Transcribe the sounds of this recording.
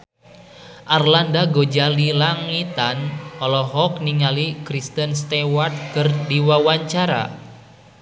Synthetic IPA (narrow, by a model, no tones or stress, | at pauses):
ʔarlandaɡod͡ʒalilaŋit̪anɔlɔɦɔk̚niŋalikɾist̪ənst̪ɛwart̪̚kɨrdiwawaɲt͡ʃaɾa̰